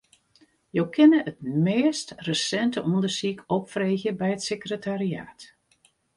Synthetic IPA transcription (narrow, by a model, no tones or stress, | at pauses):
jowkʰɪnəʔət̚meːstrəsɛntəʔɔndərsikʰɔpfreːɣjəbɛjətsekrətaria̰ːt